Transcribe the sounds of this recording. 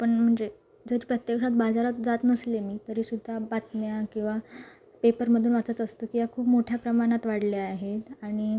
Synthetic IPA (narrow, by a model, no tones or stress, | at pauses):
pəɳm̤əɳd͡ze | d͡zəɾiːpɾət̪jekʂat̪bad͡zaɾat̪d͡zat̪nəslemiːt̪əɾiːsud̪ʱːabat̪mjakĩw̃ʋa | pepəɾməd̪ʱuːnʋat͡sət̪əst̪okijakʰuːpmoʈʰjapɾəmaɽ̃at̪ʋaɽleaɦet̪aɽ̃i